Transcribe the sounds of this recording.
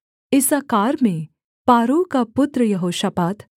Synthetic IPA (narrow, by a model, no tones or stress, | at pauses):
ɪsakaːɾmẽ | paːɾukapʊt̪ɾəjɐɦoːʃapaːt̪